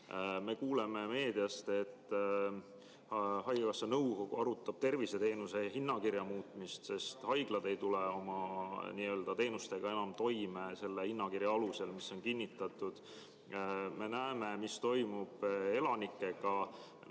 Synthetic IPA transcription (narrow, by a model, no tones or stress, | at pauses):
me̞kuːleme̞me̞ːd̪̥iɑst̪e̞t̪ː | hɑjɡɑkɑsːenɤwoɡuɑɾut̪ːˑɑb̥̚t̪e̞rvise̞t̪e̞ːnuse̞ɦinːɑkirjɑmuːt̪ˑmist̪se̞st̪hɑjɡ̥lɑd̪̥e̞jt̪uleo̞mɑniːø̞ːld̪̥ɑt̪e̞ːnust̪e̞ɡ̥ɑe̞nɑmt̪o̞jme̞se̞lːehinːɑkirjɑɑluse̞lmisːo̞nkinʲːit̪ːˑɑt̪ˑud̪̥ | me̞næeme̞mist̪o̞jmub̥e̞lɑnikːˑe̞ɡ̥ɑ